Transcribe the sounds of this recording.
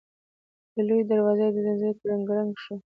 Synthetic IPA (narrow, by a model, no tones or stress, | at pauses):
d̪̥əlujd̪aɾwɑzajd̪ənazaɾt̪ɾaŋɡɾaŋɡʃu